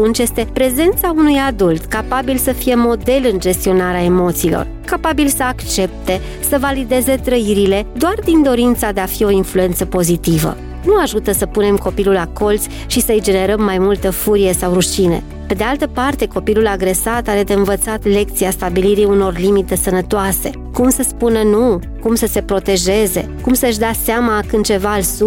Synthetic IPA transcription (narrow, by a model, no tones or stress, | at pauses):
tunt͡ʃje̞st̪e̞pɾe̞ze̞nt̪saunujad̪ult̪kapabilsəfije̞mo̞d̪e̞lɨnd͡ʒe̞st̪io̞naɾeae̞mo̞t̪siːlo̞̰r | kapabilsəakt͡ʃe̞p̚t̪e̞ | səvalid̪e̞ze̞t̪ɾəiɾile̞d̪oard̪ind̪o̞ɾint̪sad̪e̞afio̞influe̞nt̪səpo̞zit̪ivə̰ | nuaʒut̪əsəpune̞mko̞pilulako̞lt̪sʲ | ʃisəɨjd͡ʒe̞ne̞ɾəmːajmult̪əfuɾije̞sawɾuʃine̞̰ | pe̞d̪ealt̪əpart̪e̞ko̞pilulaɡɾe̞sat̪aɾe̞d̪eɨnvət̪sat̪le̞k̚t̪siast̪abiliɾiuno̞rlimit̪e̞sənət̪oase̞ | kumsəspunənu | kumsəse̞pɾo̞t̪e̞ʒe̞ze̞̰ | kumsəɨʃ̬d̪easeamakɨnt͡ʃe̞valsu